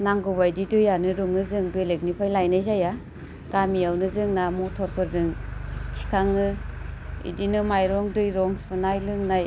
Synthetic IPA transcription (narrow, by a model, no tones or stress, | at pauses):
naŋɡɯβajdidɯjanɯɾuŋɯzɯŋbelek̚nipʰajlajnajzaja | ɡ̥amiawnɯzɯŋnamɔtʰɔɾpʰɯɾzɯŋtʰi̥kʰaŋɯ | ḭdinɯmajɾɔŋdɯjɾɔŋpʰɯnajlɯŋnaj